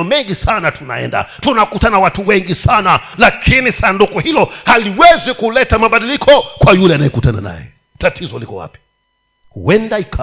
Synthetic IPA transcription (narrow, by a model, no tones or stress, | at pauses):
ɔmɛŋɡisanatuna̰ɛ̰nda̰tunakutanawatuwɛŋɡisanalakʰinisandukɔhilɔhaliwɛzikulɛtamaɓaɗilikʰɔkwajulɛanajɛkutana̰na̰jɛ̰ | tatʰizɔlikɔ̰wa̰pi̥ | hṵɛndaikʰa